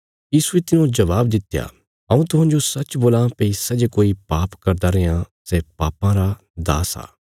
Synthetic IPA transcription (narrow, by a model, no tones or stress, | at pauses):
jiːsuet̪ɪnũd͡ʒɐʋaːbd̪ɪt̪ja̰ː | ɐũːt̪ʊɦãːnd͡ʒosɐt͡ʃboːlãpeisɐd͡ʒkoːipaːpkɐɾd̪aːɾejãsɛːpaːpãɾa | d̪a̰ːsa̰ː